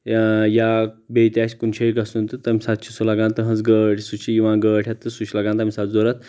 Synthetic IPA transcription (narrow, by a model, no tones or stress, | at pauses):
jabejt̪ʲaɕkunɕeiɡasunt̪ɨt̪amisat̪ɕʰisolaɡãnt̪əɦə̃t͡sɡəʈʰʲsut͡ɕʰiiʋãɡəʈʰjat̪ːəsuɕʰlaɡãnt̪amisat̪d͡zoɾat̪